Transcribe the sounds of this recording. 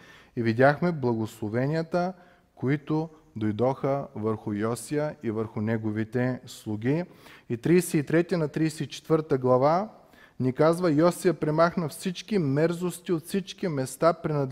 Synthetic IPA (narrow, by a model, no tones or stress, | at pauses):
ivid̪ʲaxmɛblˠɐɡoslˠovɛnʲiət̪ə | koit̪ʊ | d̪ojd̪ɔxəvəɾxʊjɔsijəivəɾxʊnɛɡovit̪ɛslˠʊɡʲiit̪ɾijsɛit̪ɾɛt̪inɐt̪ɾijsɛit͡ʃɛ̥t̪vəɾt̪əɡlˠɐva | nikazvəjɔsiəpɾɛmaxnɐfsit͡ʃkimɛɾzost̪iot̪fsit͡ʃkimɛst̪apɾɛnɐd̪